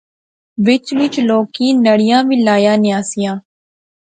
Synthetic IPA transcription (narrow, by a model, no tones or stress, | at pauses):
ʋɪt͡ʃʋɪt͡ʃloːkiːnəɽɪjãːʋiːlaːjaːnɪjaːsɪjãː